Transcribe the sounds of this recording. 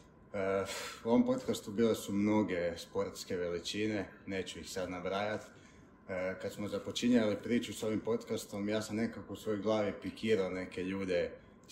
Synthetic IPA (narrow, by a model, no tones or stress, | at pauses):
əuoʋo̞mpo̞t̪kast̪ubiːle̞sumno̞ɡe̞spo̞ɾt̪ske̞ʋe̞lit͡ʃine̞ne̞ːt͡ɕuixsad̪naʋɾaːjat̪ | kat̪smozapo̞t͡ʃiɲalipɾiːt͡ʃuso̞ʋimpo̞t̪kast̪o̞mjaːsamne̞kako̞usʋo̞joɡlˠaːʋipikiːɾaone̞ke̞ʎuːd̪e̞